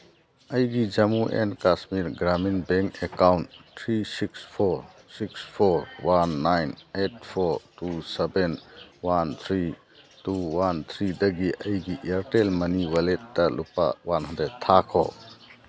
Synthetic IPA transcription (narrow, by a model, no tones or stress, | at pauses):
ɐjɡid͡ʒɐmuʔḛnkasmiɾɡɾaminbeŋkekawnttʰɾisikspʰɔɾ | sikspʰɔɾwanːajnet̚pʰɔɾtusɛbenwant̪ʰɾi | tuwant̪ʰɾidɐɡiʔɐjɡiʔeɾtelmɐniwɐlet̚dɐlupa̰wanɦɐd̪et̪ʰakʰɔ̰